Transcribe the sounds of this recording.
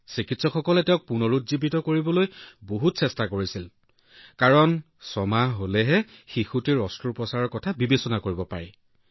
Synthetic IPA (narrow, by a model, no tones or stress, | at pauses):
sikitsɔkxɔkɔlɛtɛʊ̃k̚punɔɹutzibitɔkoɹibɔlojboɦutsɛstakoɹisil | kaɹɔn | sɔmaɦolɛɦɛxixutiɹɔstɹupɹɔsaɹɔɹkɔtʰabibesɔnakoɹibɔpa̰ɹɛ